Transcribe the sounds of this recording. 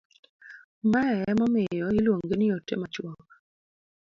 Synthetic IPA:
maɛɛmɔmɪjɔɪlwoŋɡenɪotːḛmat͡ʃwɔk

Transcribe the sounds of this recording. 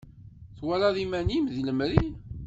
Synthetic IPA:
θwælaðimænimðləmɾin

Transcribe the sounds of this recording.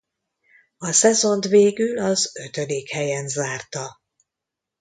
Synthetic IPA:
ɒsɛzo̞nt̪veːɡylɒzøt̪ød̪eːkhɛjɛnzaːrt̪ɒ

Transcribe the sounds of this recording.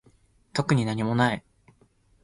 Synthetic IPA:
t̪o̞kɯ̟ɲ̟inaɲ̟imo̞nai

